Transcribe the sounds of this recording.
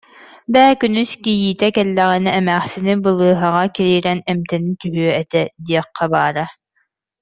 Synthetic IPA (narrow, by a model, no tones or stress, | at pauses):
bæːkynyskijiːt̪ɛkɛlːɛʁɛniɛmæːχsinibɯlˠɯːɦaʁɑkiɾiːɾɛnɛmt̪ɛnit̪yɦyœɛt̪ɛd̪iɛqʰːɑbaːɾa